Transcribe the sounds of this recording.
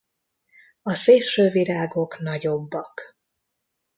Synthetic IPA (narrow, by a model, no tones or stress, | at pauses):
ɒseːlʃøːviɾaːɡo̞knɒɟo̞bːɒk